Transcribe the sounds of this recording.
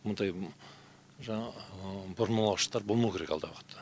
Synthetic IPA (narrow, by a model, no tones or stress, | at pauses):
mʊnd̪ɑj | ʒɑɴɑbʊɾnmɑlˠɑwʃə̥qt̪ɑɾbo̞lˠmɑwkʲe̞ɾekɑlˠd̪ɑwəqə̥t̪ʰːə̥